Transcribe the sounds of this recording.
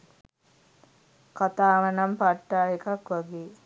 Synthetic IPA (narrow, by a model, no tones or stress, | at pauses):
kat̪aːʋɐnampaʈːaːekakʋaɡeː